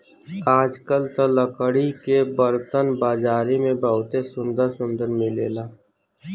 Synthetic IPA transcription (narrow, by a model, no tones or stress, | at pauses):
aːd͡ʒkəlt̪ələkəɽikebəɾt̪ənbaːd͡ʒaːɾimẽbəʊt̪esʊ̃nd̪əɾsʊ̃nd̪əɾmɪlḛːlaː